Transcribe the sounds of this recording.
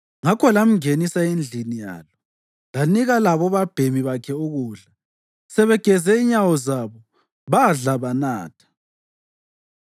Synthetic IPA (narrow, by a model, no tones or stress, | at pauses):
ŋakʰɔlam̩ŋenisaend͡ɮʱinija̰ːlɔ | laniɣalaβɔβab̥ʱemiβakʰɛuɣuːɮa | sɛβɛɡ̥ʱɛzɛiɲawɔzaβɔ | βaɮaβanaːtʰḁ